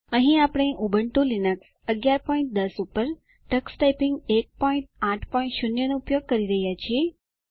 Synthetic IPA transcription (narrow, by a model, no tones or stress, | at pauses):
ə̃ɦĩapəɽ̃eʔubəɳʈũlinəks | əɡjaɾpɔĩɳʈ̚d̪əsupəɾ | ʈəksʈajpɪŋɡek̚pɔĩɳʈ̚ãʈʰpɔĩɳʈʃunjənoupjoɡ̚kəɾiɾəɦjat͡ʃʰie